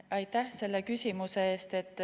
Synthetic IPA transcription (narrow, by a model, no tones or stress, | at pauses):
ɑjt̪æhse̞lːe̞kysʲimuse̞eːst̪e̞t̪ːˑ